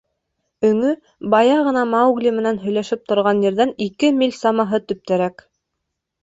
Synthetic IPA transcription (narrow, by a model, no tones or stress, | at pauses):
ɵ̆ŋɵ | bɑjɑʁɤ̆nɑmɑuɡlʲimɘ̆nænɦɵ̆jlæʃɘp̚t̪ŏɾʁɑnjɘ̆ɾðænikɘmʲilʲsɑmɑɦɤt̪ɵ̆p̚t̪æɾæk